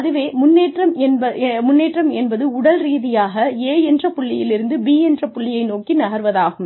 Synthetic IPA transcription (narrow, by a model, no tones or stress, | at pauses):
ɐðɯʋeːmʊnːeːʈrɐmɛnbɐmʊnːeːʈrɐmɛnbɐðɯʊɽɐlɾiːðɪjaːɣɐeːɛndrɐpːʊɭːɪjɪlɪɾɯnd̪ɯbiːɛndrɐpːʊɭːɪjɐɪnoːkinɐɣɐɾʋɐðaːɣɯm